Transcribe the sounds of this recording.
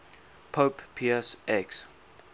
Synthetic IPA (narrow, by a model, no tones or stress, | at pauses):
pʰoppʰiɛsɛks